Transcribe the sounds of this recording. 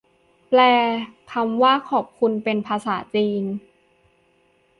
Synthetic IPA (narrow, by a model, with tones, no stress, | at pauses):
plɛː˨˧˩k̪ʰa˧mwaː˥˩kʰɔː˨˩p̚kʰu˧npe˧npʰaː˧saː˩˦t͡ɕiː˧n